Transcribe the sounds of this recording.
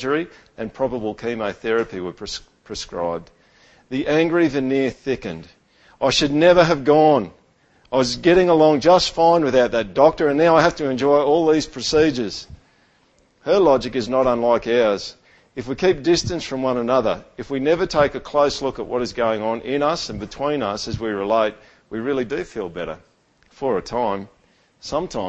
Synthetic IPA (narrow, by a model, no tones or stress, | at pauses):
ə˞iɨ̃npʰɹ̥ɑbəbl̩ˠkʰĩməθɛɹɨpiwə˞ | pʰɹ̥ɨskɹa̰ɪb̚ | ðiʔæ̃ŋɡɹivɨnɪɹθɪkɨ̰̃nd | ʔaɪʃɨdⁿnɛvə˞ɨvɡɔ̃n | aɪwʌzɡɛɾɪ̃ŋəlɔ̃ŋd͡ʒʌstfãɪ̃nwɨðaʊt̪̚ðɨt̚d̥ɔk̚tə˞ɨ̃nnaʊaɪɦæftɨɨ̃nd͡ʒɔɪɔlˠðiz̥pʰɹ̥ɨsid͡ʒə˞z̥ | hə˞lɑd͡ʒɨkɨznəɾə̃nlaɪkaəz̥ | ɨfwikʰip̚d̥ɪstɨ̃nsfɹʌ̃mwʌ̃nənʌðə̰˞ɨfwinɛvə˞tʰeɪkɨkʰl̥oʊslʊkəʔ̚wʌɾɨzɡoʊɪ̃ŋə̃nʔɪ̃nʌsɨ̃n̩bɨtʰw̥ĩnʌsɨzwiɹɨleɪt̚ | wiɹɪlˠidɨfilˠbɛɾə̰˞ | fə˞ɨtʰãɪ̃m | sʌ̃mtʰãɪ̃